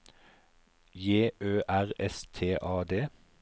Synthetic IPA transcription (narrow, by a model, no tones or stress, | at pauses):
jeːʔøːʔæʁɛst̪ʰeːʔɑːd̪eː